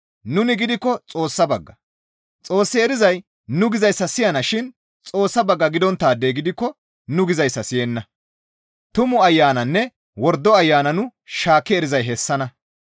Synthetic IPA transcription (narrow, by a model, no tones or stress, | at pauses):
nʊnɪɡɪd̪ɪkːɔt͡sʼo̞ːsːɐbɐɡːɐ | t͡sʼo̞ːsːɪɛɾɪzɐj | nʊɡɪzɐjsːɐsɪjɐnɐʃɪn | t͡sʼoːsːɐbɐɡːɐɡɪd̪ɔnt̪ːaːd̪ːeːɡɪd̪ɪkːɔ | nʊɡɪzɐjsːɐsɪjɛnːɐ | t̪ʊmʊɐjːaːnɐnːɛ | wɔɾd̪ːɔɐjːaːnɐnʊʃaːkːɛɛɾɪzɐjɦɛsːɐnɐ